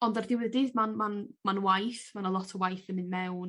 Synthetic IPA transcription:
ɔndardɪwədɪːðmanmanmanwajθmanəlˠɔtʰɔəwajθənmɨnmɛwn

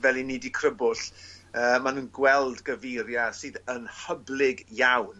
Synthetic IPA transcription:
vɛlˠiniːdikʰrəbʊɬəːmanuːnɡwɛlˠdɡəvejɾjasɨːðənhəblɪɡjawn

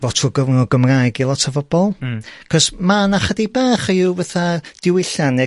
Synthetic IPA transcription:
vɔtʰuɡəvnɔɡəmrajɡilˠɔtʰavɔb̥ɔlˠkʰɔsmanaχədibɛːχɪwvaθad̥ɪwɪɬanɛ

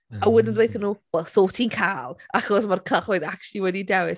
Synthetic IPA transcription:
awɪdəndwejθənːuːwɛlˠsoːtʰinkʰaːlˠaxɔsmarkʰəχoɨðak̚t͡ʃlˠiwɛdidɛwɪs

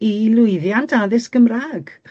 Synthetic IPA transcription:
ilˠʊɨðjantʰaðɪskəmraːɡ̥

